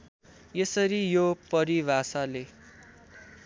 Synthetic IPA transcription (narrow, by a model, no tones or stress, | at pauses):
jesʌɾijopʌɾibʱasale